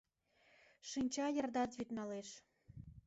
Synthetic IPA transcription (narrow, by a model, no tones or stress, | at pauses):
ʃɨnʲt͡ɕɑjə̆rd̪ɑt̪βyt̪nɑleʃ